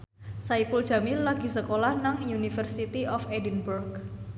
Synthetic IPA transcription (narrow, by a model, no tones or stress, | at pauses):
saipuld̥ʒ̥a̤millaɡ̥i̤səkolahnaŋjunifərsit̪iɔfedinburɡ